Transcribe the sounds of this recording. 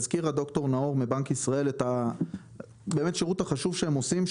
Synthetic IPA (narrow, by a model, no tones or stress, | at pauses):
zkiʁad̪o̞kto̞ʁnaoʁmibaŋkisʁae̞leta | be̞ːme̞tʃeʁuthaχaʃuvʃeemo̞sim